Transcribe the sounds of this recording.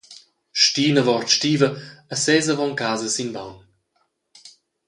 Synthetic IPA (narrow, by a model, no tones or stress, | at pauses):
ʃtiːnəvɔrtʃtiːvəəsɛːzəvɔŋkaːzəsinbawn